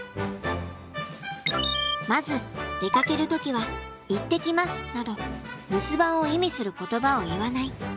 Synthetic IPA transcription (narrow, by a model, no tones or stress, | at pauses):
mazɨd̪̥e̞kake̞ɾɯ̟t̪o̞kʲiβa | it̪ːe̞kʲimasɨ̥nad̪o̞ɾɯ̟sɨbãɰ̃o̞imʲisɨɾɯ̟ko̞t̪o̞bao̞iβanai